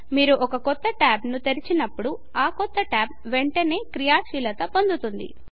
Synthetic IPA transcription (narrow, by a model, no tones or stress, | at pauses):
miːɾuʔɔkɐkɔt̪ːɐʈaːbnut̪eɾit͡ʃinɐpːuɽu | aːkɔt̪ːɐʈaːb̚ʋeɳʈɐne̞ːkɾijaːʃiːlɐt̪ɐpond̪ut̪und̪ḭ